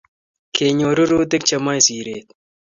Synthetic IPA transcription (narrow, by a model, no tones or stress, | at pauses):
kʰeːɲoːɾuɾuːd̪ɪk̚t͡ʃɐmajsiːɾeːt̪